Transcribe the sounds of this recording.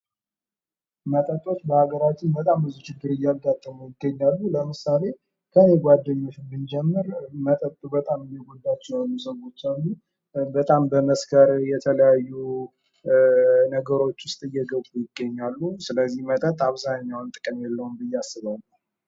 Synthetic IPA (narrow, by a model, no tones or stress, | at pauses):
mət̪ʼət̪ʼo̞t͡ʃːbəhaɡəɾat͡ʃːɪnbət̪ʼamɨzut͡ʃɪɡːɨɾɨjːaɡat̪ʼːəmujɪɡəɲːalːuləmɨsale̞ | kʰəne̞ɡʷwʷad̪ːəɲːo̞t͡ʃːbɨnd͡ʒɛmːɨɾmət̪ʼət̪ʼubət̪ʼamɨmːiɡod̪at͡ʃːɛjalːusəwot͡ʃːalːu | bət̪ʼambəməskʰəɾjɛt̪ʰələjajːu | nəɡəɾo̞t͡ʃːwʊst̪ʼɨjːɛɡəbujɪɡːəɲːalːusɨləzːihmət̪ʼət̪ʼaβzaɲːawnt̪ʼɨkʼɨmjɛlːəwunbɨjːasːɨβalːu